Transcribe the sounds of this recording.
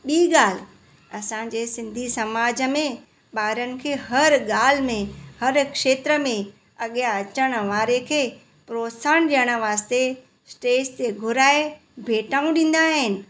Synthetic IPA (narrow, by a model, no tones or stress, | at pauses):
ɓiːɠaːl̤ɪ | ɐsã̆d͡ʑeːsɪ̃nd̪ʱisɐmaːd͡ʑəmẽ | ɓaːɾənɪ̆kʰeːhɐɾɠaːl̤ɪmẽhɐɾkʃeːt̪ɾəmẽ | ɐɠjaɐt͡ɕəɽ̃ə̆ʋaːɾekʰeː | pɾoːsaːɽ̃ɗijəɽ̃ə̆ʋaːst̪e | sʈeːst̪eɡʱʊɾaːe | bʱeːʈaːũɗĩːn̆d̪aːɦɪnɪ̆